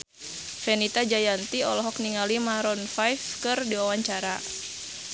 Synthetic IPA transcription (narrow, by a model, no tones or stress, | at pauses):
fɛnit̪ad͡ʒajant̪iɔlɔɦɔk̚niŋalimaɾɔnfajfkɨrdiwawaɲt͡ʃaɾa